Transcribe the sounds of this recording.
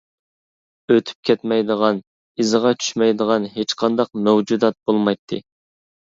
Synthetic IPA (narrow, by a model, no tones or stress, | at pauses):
øt̪ʰy̥p̚kʲʰɛt̪mɛjd̪əʁɑn | izɨʁɑt͡ʃʰy̥ʃmɛjd̪əʁɑnɦet͡ʃqʰɑnd̪ɑq̚mɛwd͡ʒud̪ɑt̪̚b̥olˠmɑjt̪ʰːɨ